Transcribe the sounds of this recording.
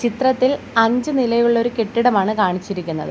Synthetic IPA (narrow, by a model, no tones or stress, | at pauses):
t͡ɕit̪rɐt̪ːil | ɐɲd͡ʑɨnilɐjuɭːo̞ɾuke̞ʈːiɽɐmaːɳɨkaːɳit͡ɕːiɾikʲːunːɐ̰ðɨ